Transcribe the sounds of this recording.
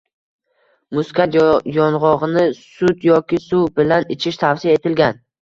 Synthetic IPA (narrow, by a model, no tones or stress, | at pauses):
mʊskʰʲat̪jɒnʁɒʁnɪsʊt̪jɒkʲɪsubɪlanɪt͡ʃʰɪʃt̪ʰafsijae̞t̪ʰɪlɡʲan